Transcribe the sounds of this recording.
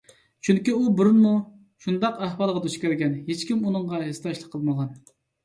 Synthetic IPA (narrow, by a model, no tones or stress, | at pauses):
t͡ʃʰyŋkʲiubɪɾɨnmu | ʃund̪ɑqæhwɑlˠʁɑd̪øʃkʲæɾɡʲɛnɦet͡ʃkʲimunɨŋʁɑɦest̪ɑʃlˠəqʰːəlˠməʁɑn